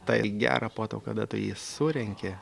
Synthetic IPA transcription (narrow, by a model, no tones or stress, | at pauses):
t̪ɐɪɡʲæ̰ːɾʔɐpoːt̪oːkɐd̪ɐt̪ʊjḭːsʊɾʲɛŋʲkʲɪ